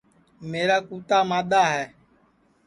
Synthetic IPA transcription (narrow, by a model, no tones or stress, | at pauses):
meːɾaːkuːt̪aːmaːɗ̪aːɦɛː